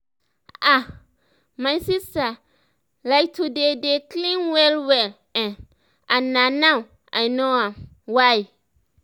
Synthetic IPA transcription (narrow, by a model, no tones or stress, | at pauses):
a | maɪsista | laɪk̚tʰudedekʰlĩnwɛlwɛl | ɛ̃n | ãnːãnãw | ʔa̰ɪnoãm | waɪ